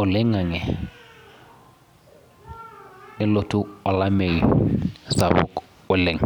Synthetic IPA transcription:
ʊ˨lɪ˦ŋa˨ŋɛ˨ | nɪ˦lo˨tʰʊ˦ɔ˨la˦me˨jɔ̰sa˨βʊ̰˨k | ʊ˦le˨ŋ

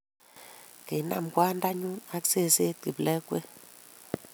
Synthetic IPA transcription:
ki˨na̰˨mkwa˦nda˦ɲu˦na˦kse˦˨se˦t̚ki˨blɛ˦kwe˦

